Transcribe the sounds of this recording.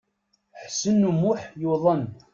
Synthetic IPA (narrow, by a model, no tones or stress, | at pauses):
ħsənːumuħjuðˤən